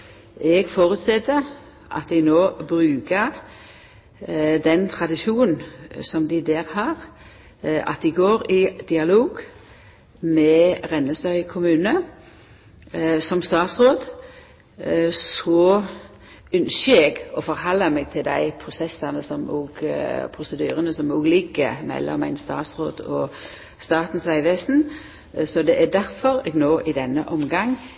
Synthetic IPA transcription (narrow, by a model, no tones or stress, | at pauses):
ʔɛɡfoːɾʉt̪sɛt̪ːə | ʔɑ̰t̪̚d̪ɪnoːbʁʉːkəʁ | d̪ɛnt̪ʰʁɑd̪ɪʃuːnn̩sɔmd̪ɪd̪æːɾhɑʁ | ʔɑ̰t̪̚d̪ɪɡoːɾɪd̪̥ɪɑloːɡ | mɛʁɛnːəst̪œʏkʰʊmʉːnə | sɔmst̪ɑːt̪sʁoːd̪ | sɔ | œnʃəɛɡɔfɔɾhɑlːɑmɛːɡ̚t̪ʰɪld̪æ̰ɪpʰɾʊsɛsːɑnəsɔmo̰ːɡpʰɾʊsəd̪yːɾənəsɔmoːɡlɪɡəmɛ̰lʔɔ̰mːæɪnst̪ɑ̰ːt̪sʁoːd̪ɔ | st̪ɑːt̪n̩sʋæɪʋeːsn̩ | sɔd̪ɛʔæd̪æɾfɔɾɛɡnoːʔɪd̪ɛnːə̰ʔɔmɡɑŋ